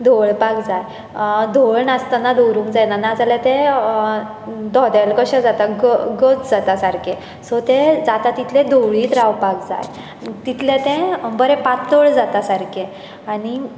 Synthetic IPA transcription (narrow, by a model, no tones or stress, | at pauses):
d̪ʱoɭpakd͡zaj | d̪ʱoɭnast̪anad̪owɾũːŋkd͡zajnanad͡zalɛt̪ẽ | d̪ɔd̪alkəɕãd͡zat̪aɡəɡət͡sd͡zat̪asaɾkʰe | sɔt̪ed͡zat̪at̪it̪ʰlẽd̪oɭiːt̪ɾawpakd͡za̰j | t̪it̪ʰlẽt̪ẽbəɾɛpat̪ɔɭd͡zat̪asaɾkʰe | aɽ̃i